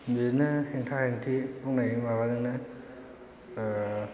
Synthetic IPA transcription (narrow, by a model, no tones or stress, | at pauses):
miɾnɯheŋtʰaheŋtʰiɔknajimaβazɯŋnɯ